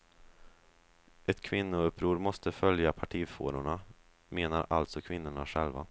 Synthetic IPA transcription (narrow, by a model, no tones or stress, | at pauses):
ʔɛt̪kʰvɪnːʊɵpʰːɾuːɾmɔst̪əfœljapʰaʈʰiːfoːɾʊɳa | meːnaɾalt̪sɔkʰvɪnːʊɳaɧɛlva̰